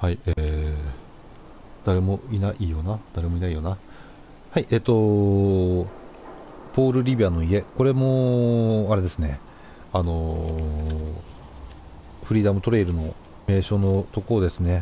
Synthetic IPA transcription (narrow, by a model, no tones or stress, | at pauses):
haie | d̪̥aɾe̞mo̞inaʔijo̞ːnad̪̥aɾe̞mo̞inaijo̞ːna | haiʔeːt̪o̞ | po̞ːɾɯ̟ɾʲibʲiano̞ie̞ko̞ɾe̞mo̞ | aɾe̞d̪e̞sɨne̞ | ano̞ | ɸɯ̟ɾʲiːd̪amɯ̟t̪o̞ɾe̞iɾɯ̟no̞ | me̞ːɕo̞ːno̞t̪o̞kod̪e̞sɨne̞